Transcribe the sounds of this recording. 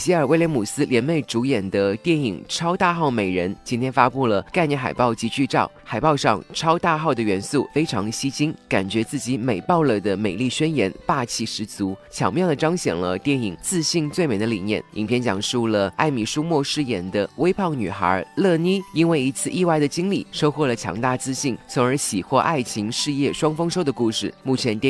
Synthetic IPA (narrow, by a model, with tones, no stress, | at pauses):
ɕi˧˥ə˞˨˩we˥ljɛ˧˥nmu˨˩sɹ̩˥ljɛ˧˥nme˥˩ɪʈ͡ʂu˧˥jɛ˨˩nd̪ə˦t̪jɛ˥˩ni˨˩ŋʈ͡ʂʰɑ˥ʊt̪a˥˧xɑ˥˩ʊme˨˩ɪɻə˧˥nt͡ɕi˥nt̪ʰjɛ˥nfa˥pu˥˩lə˩ka˥˧ɪnjɛ˥˩xa̰˨˩ɪpɑ˥˩ʊt͡ɕi˧˥t͡ɕy˥˧ʈ͡ʂɑ˥˩ʊxa˨˩ɪpɑ˥˧ʊʂɑ̰˥˧ŋʈ͡ʂʰɑ˥ʊt̪a˥˧xɑ˥˩ʊd̪ə˩ɥɛ˧˥nsu˥˩fe˥ɪʈ͡ʂʰɑ˧˥ŋɕi˥t͡ɕi˥nka˨˩nt͡ɕɥɛ˧˥t͡sɹ̩˥˩t͡ɕi˧˥me˨˩ɪpɑ˥˩ʊlə˩d̪ə˩me˨˩ɪli˥˩ɕɥɛ˥njɛ˧˥npa˥˧t͡ɕʰi˥˩ʂɻ̩˧˥t͡su˧˥t͡ɕʰjɑ̰˧˥ŋmjɑ˥˩ŋd̪ə˩ʈ͡ʂɑ˥ŋɕjɛ̰˨˩nlə̰˦t̪jɛ˥˧˩ni˨˩ŋt͡sɹ̩˥˧ɕi˥˧ŋt͡swe˥˩ɪme˨˩ɪd̪ə˦lḭ˨˩njɛ̰˥˩ni˨˩ŋpʰjɛ˥˩nt͡ɕjɑ̰˨˩ŋʂu˥˩lə˩a˥˩ɪmi˨˩ʂu˥mwɔ˥˧ʂɻ̩˥˩jɛ˨˧˩nd̪ə˧we˥ɪpʰɑ˥˩ʊny̰˨˩xə̰˞˧˥lɤ˥˩ni˥i˥nwe˥˩ɪi˧˥t͡sʰɹ̩˥˧ʔi˥˧wa˥˩ɪd̪ə˩t͡ɕi˥ŋlḭ˨˩ʂo˥ʊxwɔ˥˩lə˩t͡ɕʰjɑ̰˧˥ŋt̪a˥˧t͡sɹ̩˥˧ɕi˥˩ŋt͡sʰʊ˧˥ŋə˞˧˥ɕi˨˩xwɔ˥˧ʔa˥˩ɪt͡ɕʰi˧˥ŋʂɻ̩˥˧jɛ˥˩ʂwɑ˥ŋfɤ˥ŋʂo˥ʊd̪ə˨ku˥˧ʂɻ̩˥˩mu˥˩t͡ɕʰjɛ˧˥nt̪ɛ˥